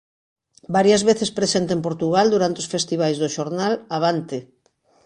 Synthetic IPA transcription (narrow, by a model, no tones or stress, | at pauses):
baɾjazβeθespɾesent̪empoɾt̪uɣald̪uɾant̪eosfest̪iβ̞ajzðoʃoɾnalaβ̞ant̪e